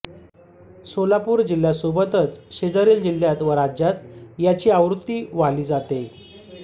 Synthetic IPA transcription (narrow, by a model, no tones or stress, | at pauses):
solapuːɾd͡ʑilːjasobət̪ət͡sɕed͡zəɾiːld͡ʑil̤ːjat̪ʋəɾad͡ʑjat̪jat͡ɕiːaʋɾut̪ːiːʋaliːd͡zat̪e